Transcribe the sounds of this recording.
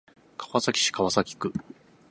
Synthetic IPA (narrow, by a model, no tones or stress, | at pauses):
kʰḁβasakʲi̥ɕi̥kaβasakʲi̥kɯ̟